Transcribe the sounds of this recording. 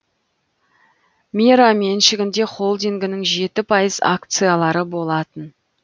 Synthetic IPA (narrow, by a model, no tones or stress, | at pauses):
mʲiɾame̞nʃɪɡʲɪnd̪e̞χo̞lˠd̪iŋɡʲɪnɪŋʒe̞t̪ɪpʰɑjəza̰k̚t̪sɨjalˠɑɾəbo̞lˠɑt̪ən